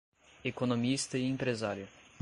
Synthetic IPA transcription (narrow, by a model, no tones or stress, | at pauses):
ekonõmist̪ɐɪẽmpɾezaɾjʊ